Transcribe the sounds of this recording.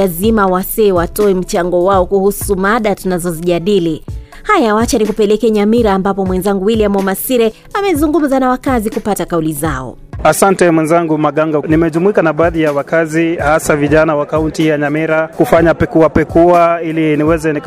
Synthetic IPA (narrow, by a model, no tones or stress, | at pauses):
azimawasɛːwatɔɛm̩t͡ʃaŋɡɔwaɔkuhusumaɗatunazɔziʄaɗili | hajawat͡ʃanikupɛlɛkɛɲamiɾaːmbapɔmwɛnzaŋɡuwiliamɔmasiɾɛ | amɛzuŋɡum̩zanawakazikupatakaulizaɔ̰ | asantɛmwɛnzaŋɡumaɠaŋɡanimɛʄumuikanaɓaːðijawakazihasaviʄanawakauntijaɲamiɾakufaɲapɛkuapɛkuailiniwɛzɛnik